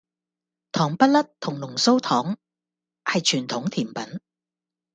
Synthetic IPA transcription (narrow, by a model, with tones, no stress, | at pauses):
t̪ʰɔː˨˩ŋpɐ˥t̚lɐ˥t̚t̪ʰʊ˨˩ŋlʊ˨˩ŋso˥wt̪ʰɔː˨˥ŋ | hɐ˨jt͡ʃʰyː˨˩nt̪ʰʊ˨˥ŋt̪ʰiː˨˩mpɐ˨˥n